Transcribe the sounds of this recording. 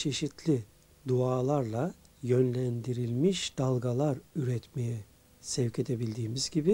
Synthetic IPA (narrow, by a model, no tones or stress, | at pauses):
t͡ʃʰe̞ʃit̪ʰlʲi | d̪uaːlˠaɾlˠa | jønlʲænd̪iɾilʲmiʃd̪̥alˠɡalˠaɾyɾɛt̪mejɛ | sɛvcʰe̞d̪ʰe̞bilʲd̪iːmizɟibi